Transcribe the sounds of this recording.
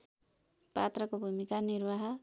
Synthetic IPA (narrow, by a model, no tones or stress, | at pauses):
pat̪rʌkobʱumikanirwaɦʌ